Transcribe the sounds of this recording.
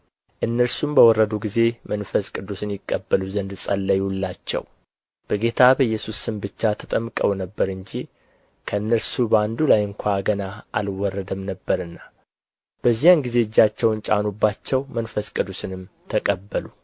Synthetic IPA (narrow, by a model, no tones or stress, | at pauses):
ʔɨnːəɾsumbəwɔrːəd̪uɡize̞mənfəskʼɨd̪ːusɨnjɪkʼːəbːəluzənd̪sʼəlːəjhulːat͡ʃːɛ̰w | b̥əɡe̞t̪ʰabəjːɛsusɨmbɨt͡ʃːat̪ʰət̪ʼəmkʼəwnəbːəɾɨɲd͡ʒi | kʰəɨnːəɾsubəand̪ulajɨŋkʷʰaɡənaa̰lwɔrːəd̪əmnəbːəɾɨnːa | b̥əzːijanɡize̞d͡ʒːat͡ʃːɛwnt͡ʃʼa̰nubːat͡ʃːɛwmənfəskʼɨd̪usɨnɨmt̪ʰəkʼəbːəlu